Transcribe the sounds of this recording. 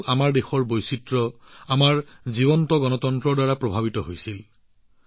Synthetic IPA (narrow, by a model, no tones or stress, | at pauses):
ʔamaɹdexɔɹbojsitɹɔamaɹziβɔntɔɡɔnɔtɔntɹɔdaɹapɹɔbʱabitɔɦojsil